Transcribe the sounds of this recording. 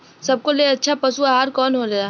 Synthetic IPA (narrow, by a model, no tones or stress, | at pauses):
sɐb̚koleɐtːʃʰapɐsuaɦaːɾkɔːnɦolɐjaː